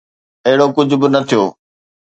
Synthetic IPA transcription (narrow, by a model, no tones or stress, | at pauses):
ɐɦɪɽokʊd͡ʑʱʊbɪnɐt̪ʰijoː